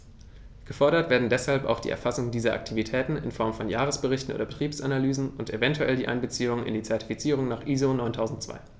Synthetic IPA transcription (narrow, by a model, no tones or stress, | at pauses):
ɡ̥əfɔɐɾɐtv̥eːɐdn̩dɛshalpa̰ʊxd̥ḭːʔɛ̰ɐfasʊŋdiːzɐʔa̰k̚tʰivitʰɛːtn̩ɪ̰nfɔɐmfɔnjaːʁəsb̥əʁɪçtn̩ʔo̰ːdɐbətʁ̥iːpsʔanalyːzn̩ʊntevɛntʰuʔɛldiːʔa̰ɪnbət͡siːʊŋənɪ̰ndiːt͡sɛɐti̥fit͡siːʁ̞ʊŋnaːχʔiːzonɔʏntʰaʊzn̩t̚t͡sv̥a̰ɪ